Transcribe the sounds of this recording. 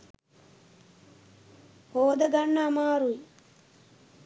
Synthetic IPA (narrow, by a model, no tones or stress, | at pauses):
hoːd̪əɡɐɳːaːmaːɾui